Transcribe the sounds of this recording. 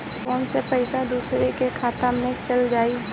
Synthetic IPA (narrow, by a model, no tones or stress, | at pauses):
kɔːnsepəɪsad̪uːsɾekekʰaːt̪amnẽt͡ʃəld͡ʒaːi